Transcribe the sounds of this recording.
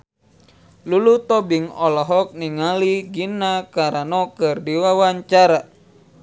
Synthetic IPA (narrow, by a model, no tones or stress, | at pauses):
lulut̪ɔbiŋɔlɔɦɔk̚niŋaliɡinakaɾanɔkɨrdiwawaɲt͡ʃaɾa